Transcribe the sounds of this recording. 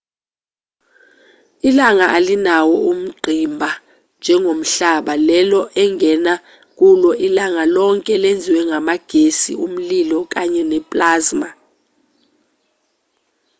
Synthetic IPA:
ilaŋaʔalinawɔum̩ɡ͡ǃʱimbʱa | nd͡ʒʱɛŋʱom̩ɬaɓalɛlɔʔɛŋʱɛna | k̬ʼulɔʔilaŋalɔŋkʼɛlend͡zʱiwɛŋamaɡ̥ʱesḭum̩lilɔk̬ʼaɲɛnɛpʼlaːzma

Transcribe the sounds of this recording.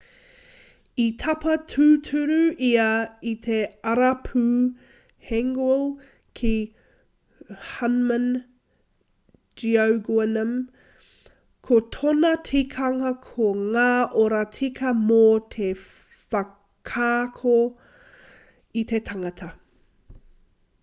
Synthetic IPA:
it̪ʰɐpɐtʰʉːtʰʉɾʉiɐit̪ʰe̞ɐɾɐpʰʉː | hɛŋɡwlˠ | kʰi | hɐnmən | d͡ʒiowɡwɛnəm | kʰotʰonɐtʰikʰɐŋɐkʰoŋaːʔoɾɐtʰikʰɐmot̪ʰe | fɐ | kʰaːkʰo | it̪ʰe̞t̪ʰɐŋɐt̪ʰɐ

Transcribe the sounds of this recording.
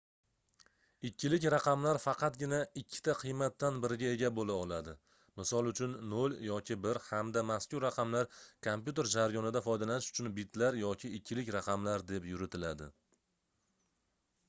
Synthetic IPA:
ɪkʲʰːɪlɪkʲɾɑqʰɑmlaɾfɑqʰɑt̪̚ɡʲɪnaɪkʲʰːɪ̥t̪ʰaqʰɨjmat̪ːanbɪɾɪɡʲae̞ɡʲabolaɒlad̪ɪ | mɪsɒlˠʊt͡ʃʰʊnːoljɒkʲʰɪbɪɾhamd̪amaskʲʊɾːaqʰɑmlaɾkʰompʲjut̪̬e̞ɾd͡ʒaɾjɒnɪd̪afɒjd̪alanɪʃʊ̥t͡ʃʰʊnbɪt̪laɾjɒkʲʰɪɪkʲʰːɪlɪkʲɾaqʰɑmlaɾd̪e̞pjʊɾɪt̪ʰɪlad̪ɪ

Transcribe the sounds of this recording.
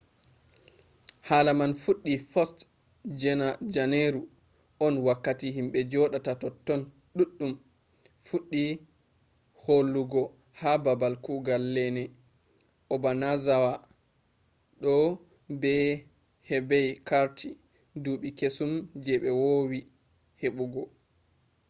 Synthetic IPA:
haːlamanfuɗːifɔst | d͡ʒɛnad͡ʒaneɾu | ɔnwakːatiɦimɓɛd͡ʒɔɗatatɔtːɔn | ɗuɗːum | fuɗːi | holːuɡɔ | hababalkuɡalːɛnɛ | ʔɔbanazawa | ɗɔ | bɛ | hɛbɛjkaɾtʰi | duːɓikesumd͡ʒɛɓɛwowi | heɓuɡɔ

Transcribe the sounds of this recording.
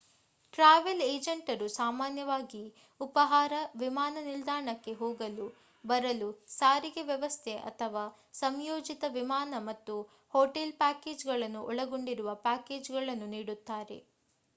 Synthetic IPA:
ʈɾaːʋeleːd͡ʒɐɳʈɐɾusaːmaːnjɐʋaːɡi | upɐɦaːɾɐʋimaːnɐnild̪aːɾɳɐkːe̞ɦoːɡɐlu | bɐɾɐlusaːɾiɡeʋjɛʋɐst̪ʰeʔɐ̰t̪ʰɐʋaː | sɐmjoːd͡ʒit̪ɐʋimaːnɐmɐt̪ːu | hoːʈelpaːkeːd͡ʒɡɐɭɐnːuʔɔɭɐɡoɳɖiɾuʋɐpaːke̞ːd͡ʒɡɐɭɐnːuniːɽut̪ːaːɾe̞̰

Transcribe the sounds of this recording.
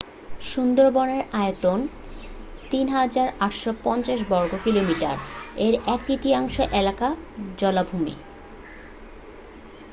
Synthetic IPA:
ʃund̪oɾbɔneɾaet̪on | t̪inɦad͡ʑaɾaʈʃopɔnt͡ɕaʃ̬bɔɾɡokilomiʈa̰ɾeɾɛkt̪it̪iaŋʃeʔelakad͡ʑɔlabʱumḭ

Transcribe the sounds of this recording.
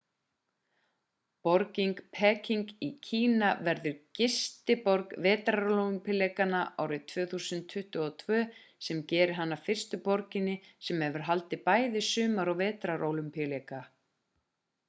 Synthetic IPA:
pɔɾciŋkpʰɛːciŋkicʰiːnavɛɾðʏɾcɪst̪ɪpɔɾkvɛːt̪ɾaɾollʏmpialeːkanaʔa̰ːwɾɪt̪ʰv̥œːθuːsʏnt̪ʰːʏht̪ʏɔt̪ʰvœː | sɛmcɛːɾɪ̥ɦanːafɪr̥st̪ʏpɔɾcɪnːɪsɛmhɛvʏɾ̥ɦalt̪ɪpaːjðɪsʏːmaɾɔɣvɛːt̪ɾaɾʔowlʏmpijaleːjka

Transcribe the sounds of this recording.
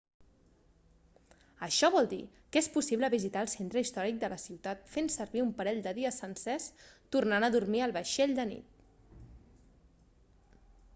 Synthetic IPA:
əʃɔβɔlˠd̪ḭ | kespusiβləβizit̪aəːlˠsent̪ɾəist̪ɔɾik̚d̪ələsiwt̪at̪fensərβiumpəɾɛʎd̪əðiəsənsɛst̪urnanəðurmiəlˠβəʃeʎd̪ənḭt̪̚

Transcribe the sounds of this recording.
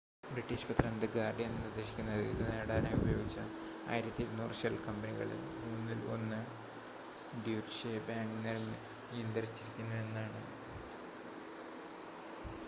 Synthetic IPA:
briʈːiːɕpɐt̪rɐnd̪ɨɡaːrɖjenːɐnɨrd̪ɐɕi̥kʲːunːɐðɨḭðɨneːɽaːnejubɐjo̞ːɡit͡ɕːɐ | a̰ːjiɾɐt̪ːilnoːrɕɐlkɐmbɐniɣɐ̰ɭɨ̰ | muːnːilo̞̰nːɨ | ɖjuːʈɕebaːŋɡneɾnɨ | end̪ɐrit͡ɕːiɾikʲːunːɐðenːaːɳɨ̰

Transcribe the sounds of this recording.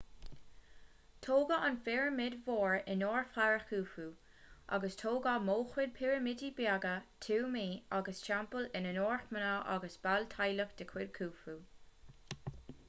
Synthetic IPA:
t̪ʰoːɡəʔanfɪɹəmɪdvoːɹɪnoːɹfaɹəxuːfuː | ʔa̰ɡəstʰoːɡəmoːxwɪd̪̚pʰɪɹəmɪdibjaɡət̪ʰuːmiːaɡəsʃampəlɪnənoːɹxmənəʔa̰ɡəsb̥alt̪ʰajləxd̪̥əkʰw̥ɪd̚kʰuːfuː

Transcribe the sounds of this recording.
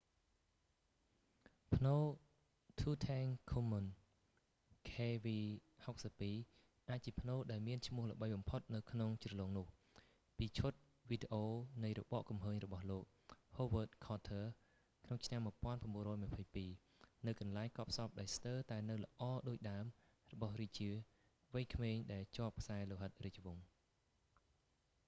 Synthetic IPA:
pʰnoː | t̪ʰuːt̪ʰaːŋkʰumən | kʰeːʋiːhok̚səpːiː | ʔaːc̚t͡ɕiəpʰnoːɗaɛlmiənt͡ɕʰmʊ̆əhlə̰̆ɓəjɓɑmpʰot̪̚nɨwkʰnoŋt͡ɕrəloːŋnʊ̆əh | piːt͡ɕʰʊt̪̚ | ʋiːɗeʔoːnɨjrɔ̰ɓɑ̰ːʔkumɦəːɲrɔɓɑhloːk̚hoːʋəːt̪̚kʰɑːt̪ʰəː | kʰnoŋt͡ɕʰnamːuəpŏənpranɓuənrɔːjməpʰəjpiː | nɨwkɑnlaɛŋkɑəp̚sɑp̚ɗaɔlst̪əːt̪aɛnɨwlə̆ʔɑːɗoːc̚ɗaəm | rɔɓɑhriːc̚t͡ɕiə | ʋɨjkʰmeːɲɗaɛlt͡ɕŏəp̚kʰsaɛloɦət̪̚riːc̚ʋuŋ

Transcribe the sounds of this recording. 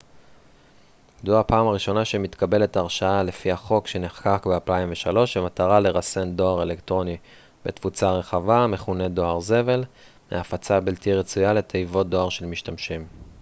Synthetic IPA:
jaduapaːmaʁiʃo̞naʃe̞mitkabe̞le̞taʁʃaalefihaχo̞kʃe̞neχkakbealpaimveʃalo̞ʃimataʁale̞ʁase̞ndo̞aʁe̞lektʁo̞ni | bet̪fut͡saʁe̞χavame̞χune̞do̞aʁze̞ve̞l | meafat͡sabiltiʁet͡sujale̞t̪ʰejvo̞t̚do̞aʁʃe̞lmiʃtamʃim

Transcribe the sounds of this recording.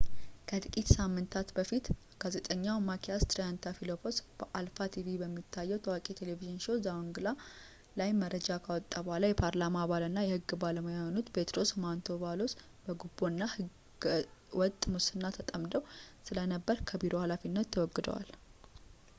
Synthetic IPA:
kʰət̪ʰʼɨkʼit̪samːɨnt̪ʰat̪bəfit̪ | ɡ̥aze̞t̪ʼəɲːawmakʰiast̪ɾijant̪ʰafilopʰo̞sb̥əʔalfat̪ʰivibəmːit̪ʰːajːɛwt̪ʰəwakʼet̪ʰe̞leviʒɪnʃo̞zawŋɡɨla | lajməɾəd͡ʒakʰawɔt̪ʼːabohalajɛpʰaɾlamabalɨnːajɛhɨɡːɨbaləmojaonut̪be̞t̪ɾo̞smant̪ʰo̞βalo̞s | b̥əɡubːo̞nːahɨ | wɔt̪ʼmusɨnːat̪ʰət̪ʼəmd̪əwsɨlənəbːəɾkʰəbiɾʔo̞halafinːət̪ʰːəwɔɡːɨd̪ə̰wa̰l

